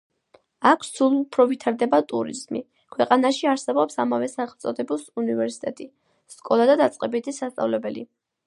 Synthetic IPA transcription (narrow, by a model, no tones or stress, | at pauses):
akʰssulˠupʰɾɔvit̪ʰaɾd̪ɛbat̪ʼuɾḭzmi | kʰwɛqʼanaʃiaɾsɛbɔpsamavɛsaχɛlˠt̪sʼɔd̪ɛbusunivɛɾsi̥t̪ʼɛt̪ʼi | skʼɔlˠad̪ad̪at̪sʼqʼɛbit̪ʰisast̪ʼa̰vlɛbɛlḭ